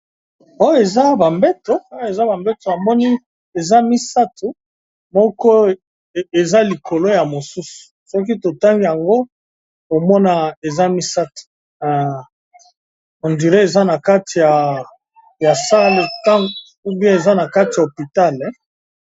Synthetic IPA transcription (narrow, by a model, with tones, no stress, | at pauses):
o˦e˨za˦ba˨mbɛ˦to˨˦e˨za˦ba˨mbɛ˦to˨a˨mɔ˦ni˦ | e˨za˦mi˦sa˦tʰu˨ | mɔ˦kɔ˦˨ | e˨za˦li˨kʰo˨lo˦ja˨mo˨su˦su̥˨sɔ˦k̬i˦to˨ta˦ŋɡi˦ja˨ŋɡo˦ | ko˨mɔ˦na˨e˨za˦mi˦sa˦tu̥˨ | o˨ndi˨ʁe˦e˨za˦na˨ka˦ti˨ja˨ | ja˨sa˦le˨ta˦ŋ | u˦bjɛ̃˦e˨za˦na˨ka˦ti˨ja˨o˨pi˨ta˦˨lɛ˦